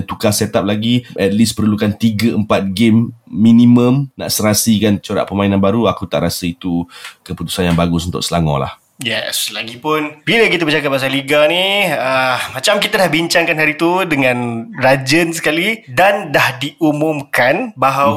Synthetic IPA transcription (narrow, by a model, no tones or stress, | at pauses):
t̪ukasɛt̪ap̚laɡiʔɛt̪̚lispərɾlukant̪iɡəəmpat̪̚ɡemːinĩmə̃mna̰ʔsəɾasikant͡ʃoɾa̰ʔpəmainanbaɾuakut̪a̰ʔɾasəit̪ukəput̪u̥sanjaŋbaɡʊsunt̪ʊ̰ʔsəlaŋɔ̰̃la̰h | jɛslaɡipʊnbilək̬it̪əbət͡ʃakat̚bas̬aliɡaniəmat͡ʃamkit̪adahbiɲt͡ʃaŋkanɦaɾit̪udəŋãnrad͡ʒənsə̥kalidandahdiʔumʊmkanbaɦaw